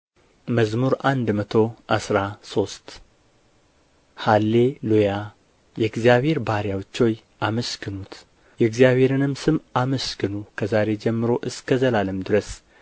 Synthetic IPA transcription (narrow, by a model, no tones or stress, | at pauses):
məzmuɾʔand̪mət̪ʰo̞ʔasɾaso̞st̪ | halːe̞luja | jɛɨɡzijaβhe̞ɾbaɾjawt͡ʃːo̞j | ʔaməskɨnut̪ | jɛɡzijaβhe̞ɾɨnɨmsɨmaməskɨnukʰəzaɾe̞d͡ʒɛmːɨɾo̞ʔɨskəzəlaləmd̪ɨɾəs